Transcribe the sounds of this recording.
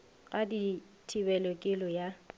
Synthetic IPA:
ɣʼadi | tʰibɛlɔkʼɪlɔja

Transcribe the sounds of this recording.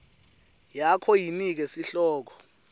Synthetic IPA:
jakʰɔjinik̬ɛsiɬɔːk̬ʰɔ̥

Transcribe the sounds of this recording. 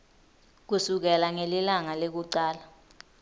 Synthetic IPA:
k̬usuk̬ɛlaŋelilaŋalek̬uǀaːla

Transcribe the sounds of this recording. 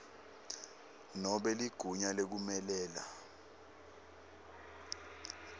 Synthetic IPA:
nɔɓɛliɡ̥ʱuɲalek̬umɛlɛːla̰

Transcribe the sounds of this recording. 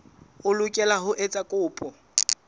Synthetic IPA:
ʊlʊkʼɛlaɦʊʔet͡sʼakʼʊːpʼɔ

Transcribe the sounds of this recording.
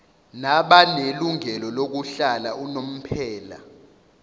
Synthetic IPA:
naɓaneluŋɛlɔlok̬uɬalaʔunom̩pʰɛːla̰

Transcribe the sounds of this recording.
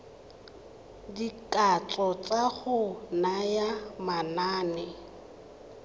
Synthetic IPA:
dikʼat͡sʼɔt͡sʼaɣʊnajamanaːnɛ

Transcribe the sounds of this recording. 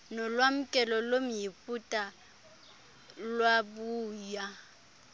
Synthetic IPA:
nɔlwam̩kʼɛlɔlom̩jipʼutʼa | lwabuːja

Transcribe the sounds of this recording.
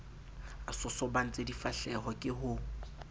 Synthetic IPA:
asɔsɔban̩t͡sʼedifaɬɛɦɔkʼɪɦʊ

